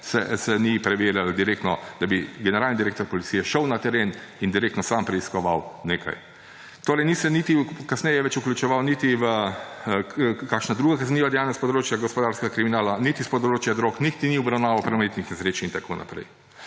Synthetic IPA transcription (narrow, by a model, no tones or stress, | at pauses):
sɛ̰sɛnipɾɛʋeɾjald̪iɾeːkt̪nɔd̪̥abiɡɛnɛɾalnid̪iɾeːk̚t̪ɔɾpɔlit̪sijɛʃəwnat̪ɛɾeːnind̪iɾeːkt̪nɔsampɾɛiskɔʋawneːkʰa̰j | t̪oːɾɛjnisɛnit̪ikasnɛjɛʋɛt͡ʃuklʲjut͡ʃɛʋawnit̪iʋə | kaːkʃnad̪ɾuːɡakazniːʋad̪ɛjaːnɛspɔd̪ɾoːt͡ʃjaɡɔspɔd̪aːɾskɛɡakɾiminaːlanit̪ispɔd̪ɾoːt͡ʃjad̪ɾoːknixt̪iniɔbɾawnaːʋɐwpɾomet̪nixnɛsɾeːt͡ʃint̪akʰo̰ːnʔa̰pɾɛ̰j